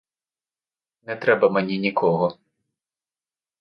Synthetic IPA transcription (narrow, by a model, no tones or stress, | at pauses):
nɛt̪ɾɛbɐmɛnʲinʲikʰɔɣɔ